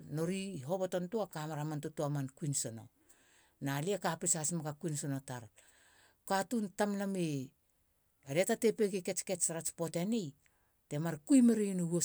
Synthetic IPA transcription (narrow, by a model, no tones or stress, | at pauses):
no̞ɾiɦo̞poto̞ntuakamaɾamantutuamankuinsono̞̰ | naliakapisasimakakuinsono̞taɾ | katuntamname | ɾetatepekeke̞t͡ʃket͡ʃɾat͡ʃpo̞tenej | te̞maɾkujmeɾenoo